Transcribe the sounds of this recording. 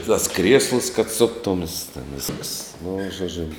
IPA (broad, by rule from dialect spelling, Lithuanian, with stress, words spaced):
tɐs ˈkrʲiɛslˠʊs kɐt ˈsʊktʊms tʲɛn ˈʋʲɪskɐs nʊ ʒoːˈd͡ʒʲʊ